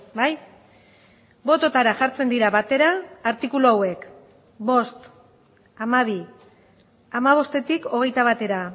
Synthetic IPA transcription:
baj | bo̞t̪o̞t̪aɾaʝaɾt͡se̞nd̪iɾaβat̪e̞ɾaːɾt̪ikuloawe̞k | bo̞st̪ | amaβ̞i | amaβ̞o̞st̪e̞t̪iko̞ɣ̞e̞jt̪aβ̞at̪e̞ɾa

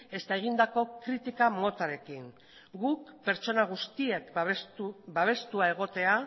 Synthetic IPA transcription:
e̞st̪aeɣ̞ind̪ako̞kɾit̪ikamo̞t̪aɾe̞kiŋ | ɡukpe̞ɾt͡ʃo̞naɣ̞ust̪ie̞k | baβ̞e̞st̪uae̞ɣ̞o̞t̪e̞a

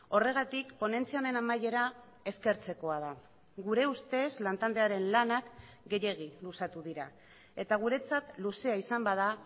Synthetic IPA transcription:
o̞re̞ɣ̞at̪ikpo̞ne̞nt͡siaone̞namaje̞ɾa | e̞ske̞ɾt͡se̞ko̞að̞a | ɣuɾe̞ust̪e̞zlant̪ald̪e̞aɾe̞nlanak | ɡe̞je̞ɣ̞ilusat̪uðiɾa̰ | e̞t̪aɣ̞uɾe̞t͡sat̪luse̞aisambaða

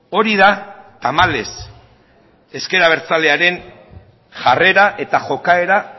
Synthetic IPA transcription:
o̞ɾiðat̪amale̞s | e̞ske̞ɾaβ̞e̞ɾt͡saleaɾe̞n | ʝare̞ɾaʔe̞t̪aʝo̞kae̞ɾa

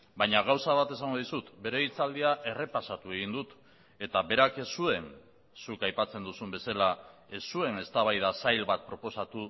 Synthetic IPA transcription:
bajɲaɣ̞awsaβat̪e̞s̬aŋɡo̞ðisut̪be̞ɾe̞it͡sald̪iaʔe̞re̞pasat̪ue̞ɣ̞ind̪ut̪ | e̞t̪aβe̞ɾake̞sːue̞n | sukajpat͡se̞nd̪usumbe̞salaesːue̞ne̞st̪aβ̞ajðasajlβat̪̚pɾo̞po̞sat̪u

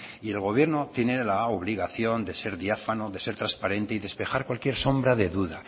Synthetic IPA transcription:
ie̞lɣ̞o̞β̞je̞ɾno̞t̪je̞ne̞laoβliɣ̞aθjo̞nd̪e̞se̞ɾðiafanoðe̞se̞ɾt̪ɾaspaɾẽ̞nt̪eiðe̞spe̞xaɾkwalkje̞ɾso̞mbɾaðe̞ðuða

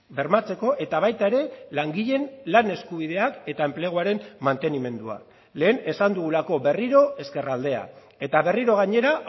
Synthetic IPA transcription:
be̞ɾmat͡se̞ko̞ʔe̞t̪aβ̞ajt̪ae̞ɾe̞laŋɡiʎe̞nlane̞skuβiðe̞ake̞t̪ae̞mple̞ɣuaɾe̞mmant̪e̞nime̞nd̪ua̰ | le̞ːne̞sand̪uɣ̞ulako̞be̞riɾo̞e̞ske̞rald̪e̞a̰ | e̞t̪aβe̞riɾo̞ɣ̞aɲe̞ɾa

